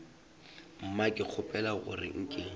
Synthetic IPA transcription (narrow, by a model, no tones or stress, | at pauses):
m̩makʼɪk͡xʰʊpʼɛlaɣʊ̰rɪ̰ŋ̩kʼɪŋ̩